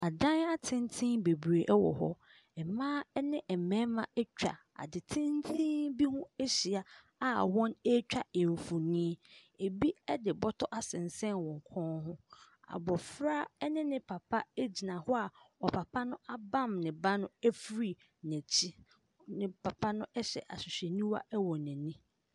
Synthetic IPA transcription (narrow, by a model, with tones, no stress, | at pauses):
a˨dã˦na˦tʰɪ̃˦n˦tʰɪ̃˦nbe˨bɾe˨ʔɛ˦wɔ̰˨hɔ̰˦ | ɛ˨mãː˦ɛ˦nɪ̃˦ʔɛ˨mɛ̃˦mã˦ɛ˦t͡ɕᶣa̰˨ | a̰˨dɪ˨tʰɪ̃˦n˦tʰĩ˦bi˦hʊ̃˦e˦ɕi˨a˨ | a˨wɔ̃˦nɛ˦t͡ɕᶣa˨e˨ɱ˨fu˨nĩ˦ | e˨bi˦ɛ˦dɪ˨bɔ˦tʰɔ˦ʔa˦sɪ̃˨n˨sɛ̃˦nwɔ̃˨ŋ˨kʰɔ̃˦nhʊ̃˦ | a̰˨bɔ˨fɾa˦ɛ˦nɪ̃˦nɪ̃˨pʰa˨pʰa˦e˦d͡ʑi˨nã˨hɔ˦a˨ɔ˨pʰa˨pʰa˦nʊ̃˦a˦bã˦˨mnɪ̃˨ba˦nʊ̃˦ɛ˦fɾi˦˨ | næ̃˨t͡ɕʰi˦ | nɪ̃˨pʰa˨pʰa˦nʊ̃˦ʔɛ˦ɕɛ̰˨ʔa˨ɕʊ˨ɕᶣɛ˨nĩ˦wa̰˦ʔɛ˦wɔ˨nɛ̃˨nĩ˦